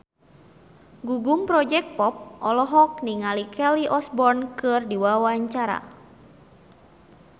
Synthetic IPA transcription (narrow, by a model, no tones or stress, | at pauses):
ɡuɡuŋpɾɔd͡ʒɛk̚t̪̚pɔp̚ʔɔlɔɦɔk̚niŋalikɛliʔɔsbɔrnkɨrdiwawaɲt͡ʃaɾa̰